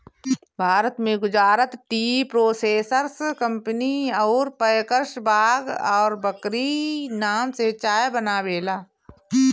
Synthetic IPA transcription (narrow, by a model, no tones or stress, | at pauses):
bʱaːɾət̪mẽɡʊd͡ʒaːɾət̪ʈiːpɾoːseːsəɾskə̃mpəniɔːɾpəjkəɾʃbʱaːɡɔːɾbəkɾinaːmset͡ʃaːjbənaːʋeːlaː